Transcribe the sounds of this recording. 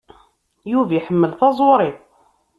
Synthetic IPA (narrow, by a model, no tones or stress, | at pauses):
juviħəmːəlθɑzˤoɾˤiθˤ